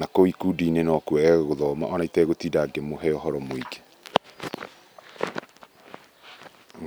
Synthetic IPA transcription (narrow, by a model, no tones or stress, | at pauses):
nakoikudinenɔkwɛɣoðɔma̰ʔɔnaitɛɣotiːdaɡemoɦɛɔɦɔɾɔmoiɡe̥